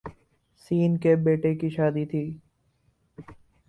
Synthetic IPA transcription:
siːnkebeːʈekiʃaːd̪it̪ʰiː

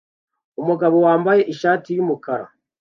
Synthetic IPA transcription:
umuɡaβo̞waːmbaje̞ʔiʃaːtijumukaɾa̰

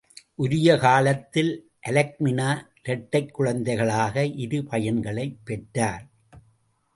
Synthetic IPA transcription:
ʔʊɾɪjɐkaːlɐt̪ːɪl | ʔɐlɐk̚mɪnaː | ɾɛʈːɐɪkːʊɻɐnd̪ɐɪɣɐɭaːɣɐʔɪɾɯpɐjɐnɡɐɭɐɪpːɛʈːaːɾ

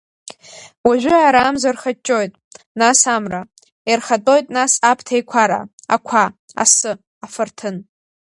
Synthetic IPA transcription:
waʒᶣʷʏaɾaːmzarχat͡ʃʼo̞jtʼ | nasamra | irχatʼo̞jtʼnasapʰtʰajkʷʰaɾa̰a̰kʷʰa | a̰sɨ | afɨrtʰɨn

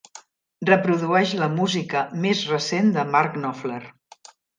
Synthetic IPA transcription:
rrəpɾuðuɛʃləmuzikəmezrəsend̪əmaɾknɔflər

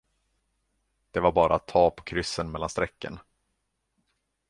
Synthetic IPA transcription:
d̪̥ɛvaɾbɑːɾaːt̪ʰːɑːpʰɔkʰɾʏsːənmɛlːanst̪ɾɛkːə̰n

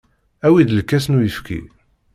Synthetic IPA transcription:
æwid̪əlkːæsnujəfkʰḭ

